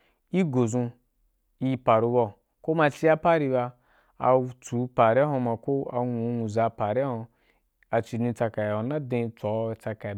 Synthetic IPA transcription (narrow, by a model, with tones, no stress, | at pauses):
i˦ɡo˨zũ˧ | i˧pa˨ɾu˧bɔ˧ | ko˦ma˧t͡ʃi˦a˦pa˦ɾi˧ba˧ | a̰˧t͡su˨˦pa˨ɾa˦ɦõ˧ma˧ko˦a̰˧ŋũ˧˦nu˨za˨˧pa˨ɾa˦ho˧ | a˨t͡ʃi˧˨dĩ˧t͡sa˧ka˨i˨a˨˦na˦dẽ˧t͡sɔ˨˦˧t͡sa˧ka˨